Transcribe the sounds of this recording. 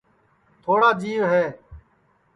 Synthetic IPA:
t̪ʰoːɽaːd͡ʒiːʋɦɛː

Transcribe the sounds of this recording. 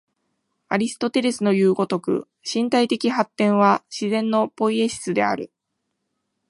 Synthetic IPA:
aɾʲisɨ̥t̪o̞t̪e̞ɾʲe̞sɨno̞jɯːɡo̞t̪o̞kɯ̟̰ | ɕĩnt̪ait̪e̞kʲihat̪ːẽ̞ɰ̃β̞aɕizẽ̞nːo̞po̞ie̞ɕi̥t͡sɨd̪e̞a̰ɾɯ̟

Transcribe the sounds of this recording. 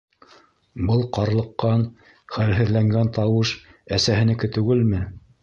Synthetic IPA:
bɤlˠqɑɾlˠɤ̆qːɑn | χælɦɘ̆ðlæŋɡænt̪ɑwɤʃæsæɦɘ̆nɘ̆kɘt̪ʉɡɘlmɘ

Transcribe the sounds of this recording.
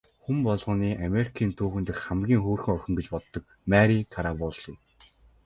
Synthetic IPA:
xumpɔɮʁɞ̆ːniːʔameɾikʰiːnt̪ʰuːxɘ̆nt̪ɘ̆xχamɡʲiːŋxoːrxɘ̆ŋœxʲɪ̆ŋɡet͡ɕpɔt̪ːɞ̆k̚ | mæɾikʰaɾawɔɮij

